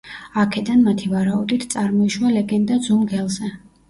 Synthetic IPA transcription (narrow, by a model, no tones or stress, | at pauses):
akʰɛd̪anmat̪ʰivaɾaud̪it̪ʰt̪sʼaɾmɔiʃwalɛɡɛnd̪ad̪zumɡɛlˠzɛ